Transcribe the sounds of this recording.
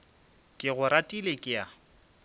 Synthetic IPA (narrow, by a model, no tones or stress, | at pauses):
kʼɪɣʊɾatʼilekʼɪja